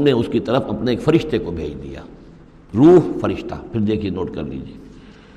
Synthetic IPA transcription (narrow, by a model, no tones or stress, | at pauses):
ɦmneʊskit̪ɐɾəfɐpnaeːkfɐɾɪʃt̪ekobʱḛːd͡ʒd̪ḭja̰ː | ɾuːɦfɐɾɪʃt̪a̰pʰɪɾd̪eːkʰienoːʈkɐ̰ɾlḭːd͡ʒieː